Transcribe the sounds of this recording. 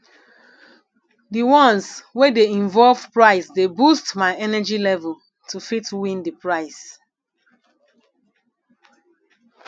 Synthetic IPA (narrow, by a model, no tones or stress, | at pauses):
diwɔ̃nswedeĩɱvɔlvpɹaɪsdebustmaɪɛnɛd͡ʒilɛvəl | tʰufitwĩndipɹaɪs